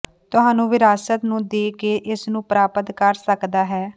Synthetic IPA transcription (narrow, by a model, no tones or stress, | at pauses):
t̪ʊɦãːnũːʋɪɾaːsət̪nũːd̪eːkeːʔɪsnũːpɾaːpət̪kəɾsəkd̪aːɦɛː